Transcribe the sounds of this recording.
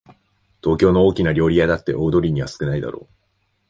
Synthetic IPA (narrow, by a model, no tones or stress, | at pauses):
t̪o̞ːkʲo̞ːno̞oːkʲinaɾʲo̞ːɾʲijad̪at̪ːe̞̰ʔo̞ːd̪o̞ɾʲiɲ̟iβa̰sɨ̥kɯ̟naid̪a̰ɾo̞̰ː